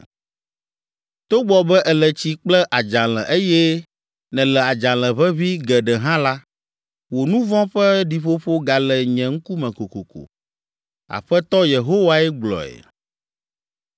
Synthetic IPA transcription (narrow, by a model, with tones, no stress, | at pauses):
t̪o˦ɡ͡bɔ˨bɛ˦ʔɛ˨lɛ˨t͡ɕi˦k͡plɛ˦ʔa˨d͡ʒã˨lɛ̰̃˨ʔe˦jɛ˦ | nɛ̃˨lɛ˨a˨d͡ʒã˨lɛ̃˨βɛ˦βi˦ɡɛ˨ɖɛ˨ɦã˦la˦ | wo˨nũ˦vɔ̃˦ɸɛ˦ɖi˨ɸo˦ɸo˦ɡa˨lɛ˨ɲɛ̃˨ŋ̩˦ku˦mɛ̃˨ko˨ko˨ko̰˨ | a̰˨ɸɛ˦t̪ɔ˦je˨ɦo˦wa˦ɛ˦ɡ͡blɔ̰˨ɛ̰˨